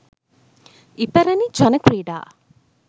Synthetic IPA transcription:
ipɐɾɐnid͡ʒɐnɐkɾiːɖa̰ː

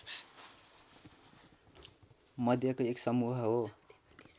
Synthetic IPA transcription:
mʌd̪ʱjakoeksʌmuɦʌɦo

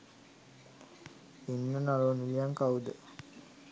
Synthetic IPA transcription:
inːənaloːnilijaŋkaud̪ə

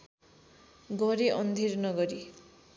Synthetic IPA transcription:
ɡʌɾiʔʌnd̪ʱirnʌɡʌɾi

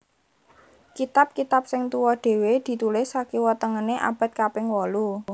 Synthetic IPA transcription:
kit̪ap̚kit̪ap̚sɪŋt̪uwɔɖ̥e̤wed̪̥i̤t̪ulɪsakiwɔt̪əŋəneʔa̰b̥a̤t̪̚kapɪŋwɔlu

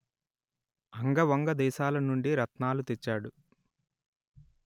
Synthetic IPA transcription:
ɐŋɡɐʋɐŋɡɐd̪ɛːʃaːlɐnuɳɖiɾɐt̪naːlut̪et͡ʃːaːɽu

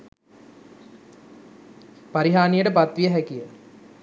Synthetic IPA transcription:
paɾiɦaːnijəʈəpat̪ʋiəɦækijə

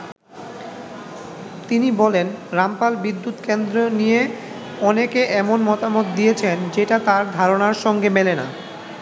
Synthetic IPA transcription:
t̪inibɔlenɾampalbid̪ːut̪kend̪ɾonije | ɔnekeʔɛmonmɔt̪amot̪̚d̪ijet͡ɕʰend͡ʑeʈat̪aɾd̪ʱaɾonaɾʃɔŋɡemelena̰

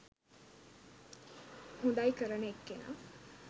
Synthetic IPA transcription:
hund̪ajkəɾəneekːena̰

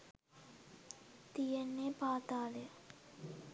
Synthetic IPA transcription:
t̪ijɐnːeːpaːt̪aːle

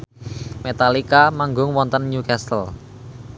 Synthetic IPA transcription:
met̪alikamaŋɡʊŋwɔnt̪ənɲukast̪əl

